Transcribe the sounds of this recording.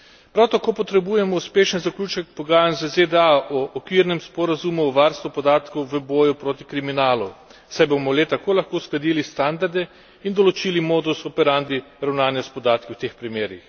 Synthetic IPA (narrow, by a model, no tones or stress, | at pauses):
pɾawt̪akoːpɔt̪ɾɛbujɛmɔuspeːʃənzaklʲuːt͡ʃɛkpɔɡaːjanzəzed̪ɛaʔɔʔːkʋiːɾnɛmspɔɾazumuɔʋaɾst̪ʋupɔd̪aːt̪kɔwʋəbɔːjupɾoːt̪ikɾiminaːlu̥sajbomɔlet̪akoːlaxkoːsklad̪iːlist̪and̪aɾd̪ɛ | ind̪ɔlɔt͡ʃiːlimoːd̪usɔpɛɾand̪i | ɾawnaːnjaspɔd̪aːt̪kiwt̪eːxpɾimeːɾix